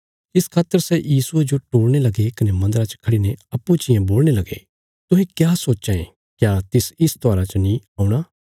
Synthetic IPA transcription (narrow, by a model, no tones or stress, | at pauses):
ɪskʰaːt̪ːəɾsɛjiːsued͡ʒoʈoːɽnelɐɡekɐnemɐ̃nd̪əɾat͡ʃkʰɐɽineɐpːut͡ʃɪjãboːlnelɐɡḛ | t̪ʊɦẽkjaːsoːt͡ʃaḛ | kjaːt̪ɪsɪst̪ɔaːɾat͡ʃənĩaːũɽ̃aː